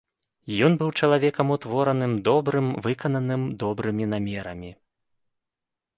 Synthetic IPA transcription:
jɔnbɨwt͡ʂɐlˠavʲɛkɐmut̪vɔɾɐnɨmd̪ɔbɾɨmvɨkɐnɐnɨmd̪ɔbɾɨmʲinamʲɛɾɐmʲi

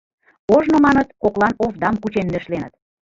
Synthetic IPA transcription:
oʒnomɑnət̪koklɑnovd̪ɑmkut͡ɕenːø̆ʃlenə̆t̪

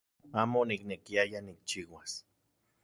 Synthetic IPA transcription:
aːmoniknekiajanik̚t͡ʃiwas

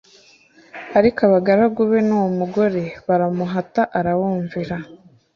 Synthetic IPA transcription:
aɾikaβaɡaɾaɡuβe̞nuwomuɡo̞ɾe̞βaɾamuɦataʔaɾaβuːɱviɾa

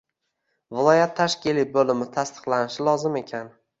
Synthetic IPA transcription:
vɪlˠɒjat̪ʰːaʃkʲilibolɪmɪt̪ʰast̪ʰɨ̥qlˠanɪʃɪlˠɒzɪme̞kʲʰan

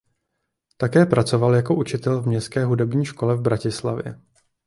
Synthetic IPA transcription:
t̪akɛːpɾat͡so̞valjako̞ʔut͡ʃɪt̪ɛlvmɲɛskɛːɦudɛbɲiːʃko̞lɛvbɾacɪslavjɛ̰

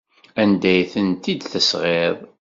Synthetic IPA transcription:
ænd̪æjθənt̪id̪θəsʁeðˤ

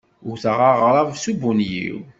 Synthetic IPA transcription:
ʊɾθəʁaʁɾˤɑvsubunjḭw

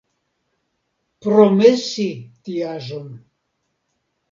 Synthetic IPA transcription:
prɔmesit̪ijaʒəm

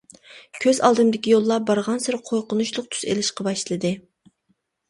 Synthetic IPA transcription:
kʲʰøzɑ̰lˠd̪ɨmd̪ɪkʲijolˠːɑbɑɾʁɑnsɪɾqʰojqʊnuʃlˠʊq̚t̪ʰu̥sḛlɪʃqʰɑbɑʃlˠɨd̪ɨ

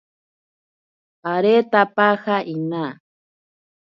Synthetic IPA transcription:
aɾet̪apaxaʔina

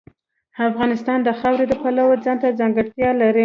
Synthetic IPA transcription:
afɣɑnɪst̪ɑnd̪əxɑwɾed̪əpalawəd͡zɑnt̪ad͡zɑŋɡəɽt̪jɑlaɾi

